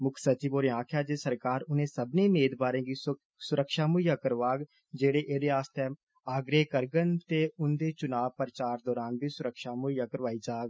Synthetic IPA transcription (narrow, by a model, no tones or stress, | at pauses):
mʊkʰsət͡ʃiːboːɾãːkʰjaːd͡ʒeːsəɾkaːɾʊnẽːsəbnẽːmeːd̪baːɾẽːɡiː | sʊɾəkʃaːmʊjaːkəɾʋaːɡ | d͡ʒeːɽeːʔeːd̪eːaːst̪e | aːɡɾeːkəɾɡənt̪eːʊnd̪eːt͡ʃʊnaːʋpəɾt͡ʃaːɾd̪ɔːɾaːnbiːsʊɾəkʃaːmʊjaːkəɾʋaːiːd͡ʒaːɡ